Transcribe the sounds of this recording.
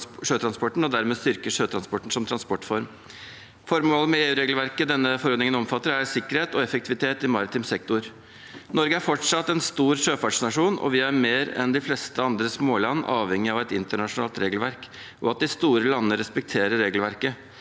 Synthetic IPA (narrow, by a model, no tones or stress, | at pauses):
ʂøːt̪ʰɾɑnspɔʈɳ̩ɔd̪æɾmeːst̪ʏɾkəʂøːt̪ʰɾɑnspɔʈɳ̩sɔmt̪ʰɾɑnspɔʈfɔɾm | fɔɾmoːləmɛeːʉːɾeːɡl̩ʋæɾkəd̪ɛnːəfɔɾɔd̪nɪŋənɔmfɑt̪ːəɾæɾsɪkːəɾheːt̪ɔɛfəkt̪ʰɪʋɪt̪ʰeːt̪ɪmɑːɾɪt̪ʰɪmsɛkt̪ʊɾ | nɔɾɡəæɾfɔʈʂɑt̪ːɛnst̪uːɾʂøːfɑʈʂnɑʂuːnɔ̰ʋɪæɾmeːɾɛ̰nd̪ɪflɛst̪əɑnd̪ɾəsmoːlɑnːʔɑːʋɛŋːɪɑʋæt̪ɪnt̪əɳɑʂʊnɑːlt̪ɾeːɡəlʋæɾk | ʔɔɑt̪̚d̪ɪst̪uːɾəlɑnːəɾɛspɛk̚t̪ʰeːɾəɾːeːɡlʋæɾkə